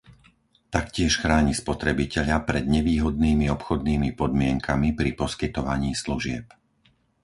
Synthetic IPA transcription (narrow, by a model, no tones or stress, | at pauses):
t̪akcɪɛʃxɾaːɲispɔt̪ɾɛbicɛʎapɾɛd̪ɲɛʋiːɦɔd̪̚niːmiɔpxɔd̪̚niːmipɔd̪mɪɛŋkʰamipɾipɔskit̪ɔʋaɲiːsluʒɪɛp